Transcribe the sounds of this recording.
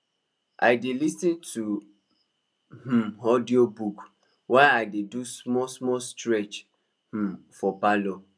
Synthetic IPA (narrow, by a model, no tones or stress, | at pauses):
ʔa̰ɪdelisĩntu | m̩ɦɔdiobuk | waɪaɪdedusmɔsmɔstɾɛt͡ʃ | h̩fɔpalɔ